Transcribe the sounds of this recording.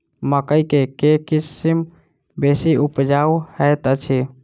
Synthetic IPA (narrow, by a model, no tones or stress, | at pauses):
məkəikekekisim | besiupd͡ʒawhəjt̪ət͡ʃʰi